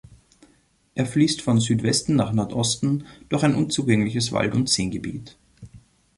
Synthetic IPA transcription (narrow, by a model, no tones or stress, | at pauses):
ʔeːɐfliːstfɔnzyːtv̥ɛstn̩naːχnɔɐtʔɔstn̩d̥ʊɐxaɪnʔʊnt͡suːɡɛŋlɪçəsva̰ltʊntz̥eːnɡəbḭːt